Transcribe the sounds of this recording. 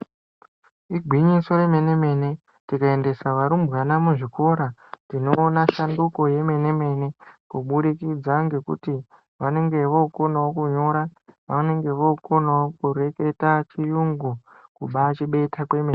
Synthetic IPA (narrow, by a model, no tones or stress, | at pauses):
iɡʱwiɲiso̞ɾe̞me̞ne̞me̞ne̞ | tikae̞nde̞saʋaɾumbɣanamuʐiko̞ɾatino̞ːnaʃandukoje̞me̞ne̞me̞ne̞kuɓuɗikid͡zaŋɡe̞kṵti | ʋane̞ŋɡe̞ʋouko̞nawokuɲo̞ɾaʋane̞ŋɡe̞ʋouko̞nawokure̞ke̞tat͡ʃijuŋɡu | kuɓat͡ʃiɓe̞tʰakwe̞men